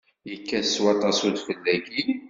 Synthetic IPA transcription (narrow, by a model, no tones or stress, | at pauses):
jəkːæswɑt̪ˤɑsud̪fəlːæɡin